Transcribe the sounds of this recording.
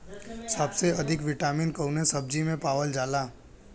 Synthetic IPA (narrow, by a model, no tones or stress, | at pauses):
sabseɐd̪ʱɪkʋɪʈaːminkəwnẽsəb̚d͡ʒimẽpaːʋəld͡ʒaːlaː